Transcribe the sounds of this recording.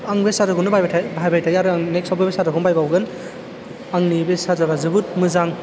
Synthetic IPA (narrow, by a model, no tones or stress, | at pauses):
aŋbesadɯkɯnɯbajbaabʱajbajtʰajaɾɯaŋneksɔbebesadɯkunbajbawɡɯn | aŋnibesazabazɯbut̚mɯzaŋ